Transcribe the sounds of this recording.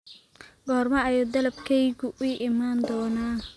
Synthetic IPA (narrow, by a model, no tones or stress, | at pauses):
ɡɔːrmɐɐjuːd̪ɐlɐbkʰɛjɣʊʔʊːʔɪmaːnd̪ɔːnaː